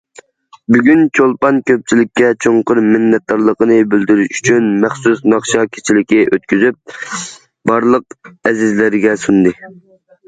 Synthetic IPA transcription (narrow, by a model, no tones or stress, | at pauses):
byɡʲynt͡ʃʰolˠpɑnkʲʰøp̚t͡ʃʰilɪkʲːɛt͡ʃʰoŋqʊɾmɪnːɛt̪̚d̪ɑɾlˠəqənɨbyld̪yɾɪʃy̥t͡ʃʰynmæχsusnɑχʃɑkʲʰe̥t͡ʃʰilɪkʲiʔøt̪kʲyzyp̚ | bɑɾlˠəqɛzɪzlɪɾɡʲɛsund̪ɨ